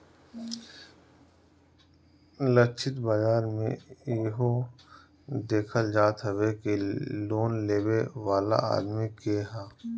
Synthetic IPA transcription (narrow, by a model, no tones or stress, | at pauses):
lət͡ʃʰɪt̪baːd͡ʒaːɾmḛ̃ɦo | d̪eːkʰəld͡ʒaːt̪ɦəwekiloːnleːwewaːla̰a̰ːd̪mikeːɦaː